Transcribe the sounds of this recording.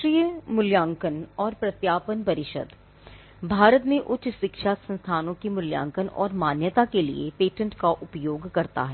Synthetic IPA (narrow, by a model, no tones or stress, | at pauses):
ɾiːjəmʊljãːŋkənɔːɾpɾɐt̪jaːpənpɐɾɪʃə̰d̪ | bʱaːɾət̪mẽʔʊtːʃʃɪkʃasə̃nst̪ʰaːnõkimʊljã̰ːŋkənɔ̰ːɾmaːnjət̪akelḭḛpeːʈə̃ɳʈkaʔʊpjoːɡkɐɾt̪a̰ɦɛː